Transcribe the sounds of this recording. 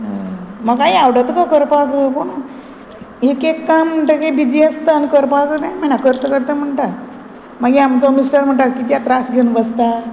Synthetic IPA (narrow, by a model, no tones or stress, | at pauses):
makajawɽat̪əkakəɾpakəpoɳə | ɦekekːam̤ːəɳʈəkebid͡ʑiəst̪əanikəɾpakənamanakəɾt̪əkəɾt̪əm̤əɳʈa | maɡiamt͡sanusʈaɽm̤əɳʈ̪akit̪jat̪ɾasɡʱenʋəst̪a